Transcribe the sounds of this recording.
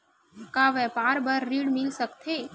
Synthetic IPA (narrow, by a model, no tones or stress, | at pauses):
kaʋɛpaɾbəɾːiɽmilsəkt̪ʰe